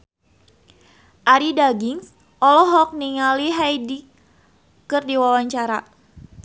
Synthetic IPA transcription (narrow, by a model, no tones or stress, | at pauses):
ʔaɾidaɡiŋs | ʔɔlɔɦɔk̚niŋaliɦajdi | kɨrdiwawaɲt͡ʃaɾa